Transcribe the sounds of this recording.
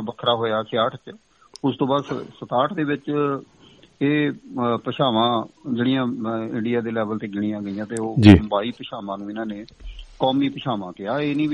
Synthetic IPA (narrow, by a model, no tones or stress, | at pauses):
bəkʰɾaːɦoːjaːsɪjaːʈʰt͡ʃ | ʊst̪õːbaːd̪sət̪aːʈʰd̪eːʋɪt͡ʃ | eːpəʃaːʋãːd͡ʒeːɽɪjãːɪɳɖɪjaːd̪eːlɛːʋəlt̪eːɡɪɽ̃ɪ̃jãːɡəijãːt̪eːoːd͡ʒibaːiːpəʃaːʋãːnũːɪnãːneːkɔːmiːpəʃaːʋãːkɪaːeːnĩː